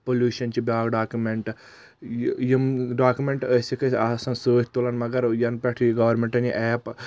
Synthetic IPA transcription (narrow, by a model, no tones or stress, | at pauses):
polʲjuːʃɐnt͡ʃibʲaːɡɖaːkumeɳʈ | jimɖaːkumeɳʈəsʲikɐasɐnsəːtʲt̪ulɐnmɐɡɐɾjɐnpʲeʈʰjiɡɐʋɐɾmeɳʈɐniʔɛːp